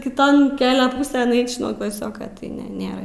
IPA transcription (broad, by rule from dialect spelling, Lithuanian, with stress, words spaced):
kʲɪˈtoːn ˈkʲæːlʲɛ ˈpuːsʲeːn ˈɛɪt͡ʃʲ nuɔ klˠɐˈsʲoːkɐ tɐɪ ˈnʲɛ ˈnʲeːrɐ